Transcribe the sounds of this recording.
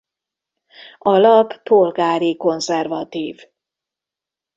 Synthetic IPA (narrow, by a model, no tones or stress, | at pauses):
ɒlɒpːolɡaːɾiko̞nzɛrvɒt̪iːv